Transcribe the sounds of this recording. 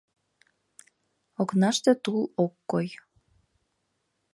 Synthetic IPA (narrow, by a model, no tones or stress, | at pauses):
oknɑʃt̪et̪ulˠokːoj